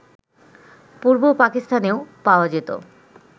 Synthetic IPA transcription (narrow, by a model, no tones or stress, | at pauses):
puɾbopakist̪ʰaneopaoad͡ʑet̪o̰